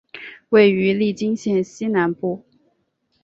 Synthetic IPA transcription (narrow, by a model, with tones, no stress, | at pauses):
we˥˩ɪy˧˥li˥˩t͡ɕi˥ŋɕjɛ˥˧˩nɕi˥na˧˥npu˥˩